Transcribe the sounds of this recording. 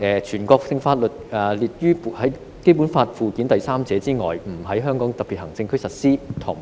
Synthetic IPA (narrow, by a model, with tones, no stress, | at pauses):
ʔɛː˨˧t͡ʃʰyː˨˩nkɔː˧k̚sɪ˧ŋfaː˧t̚lɵ˨t̚ɛː˨liː˨˩t̚jyː˥pːhɐ˨˥j | ke˥jpu˨˥nfaː˧t̚fuː˨˧kiː˨˥nt̪ɐ˨jsaː˥mt͡sɛː˨˥t͡siː˥ŋɔ̰ː˨jm̩˨˩ɦɐ˨˥jɦœː˥ŋkɔː˨˥ŋt̪ɐ˨piː˨t̚hɐ˨˩ŋt͡sɪ˧ŋkʰɵ˥ɥsɐ˨t̚siː˥t̪ʰʊ˨˩ŋ